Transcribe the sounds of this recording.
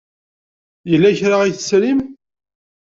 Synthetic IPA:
jəlːæçɾaiθəsɾim

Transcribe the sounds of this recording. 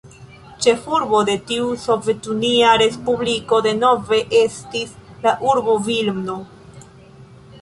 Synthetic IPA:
t͡ʃe̞fuɾbo̞de̞tiuso̞ve̞tuniaɾe̞spubliko̞de̞no̞ve̞ʔestislaʔuɾbovilmno

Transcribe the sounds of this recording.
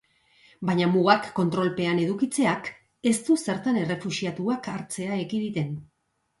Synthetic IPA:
bajɲamuɣakːo̞nt̪ɾo̞lpe̞ane̞ðukit͡se̞ak | e̞st̪use̞ɾt̪ane̞re̞fusiat̪uakaɾt͡se̞aekiðit̪e̞n

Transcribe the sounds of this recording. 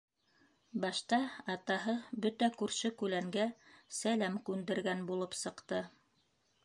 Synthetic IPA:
bɑʃt̪ɑɑt̪ɑɦɤbɵt̪ækʉɾʃɵkʉlæŋɡæsælæmkʉnd̪ɘ̆ɾɡænbulˠɤpsɤ̆qt̪ɤ

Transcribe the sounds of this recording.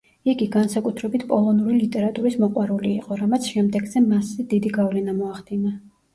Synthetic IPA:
iɡiɡansakʼut̪ʰɾɛbit̪ʰpʼɔlˠɔnuɾilit̪ʼɛɾat̪ʼuɾismɔqʼwaɾuliːqʼɔɾamat̪sʰʃɛmd̪ɛɡzɛmasɛd̪id̪iɡavlɛnamɔaχd̪̥ina

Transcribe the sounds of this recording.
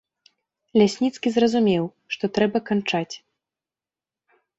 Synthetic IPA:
lʲasʲnʲit̪skʲizrɐzumʲɛw | ʂt̪ɔt̪ɾɛbɐkant͡ʂat͡sʲ

